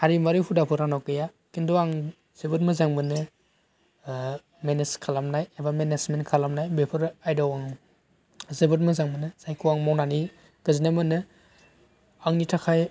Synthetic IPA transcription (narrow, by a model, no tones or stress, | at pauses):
haɾimaɾupʰudapʰɯɾanawkeja | kinduaŋ | z̥ebɯt̚mɯzaŋmɯnɯ | meneskʰalamnajebamenesmenkʰalamnajbepʰɯɾajdawaŋ | zebut̚mɯzaŋbɯnɯzajkʰuwaŋmawnani | ɡ̥ɯzinamɯnɯ | aŋnitʰakʰaj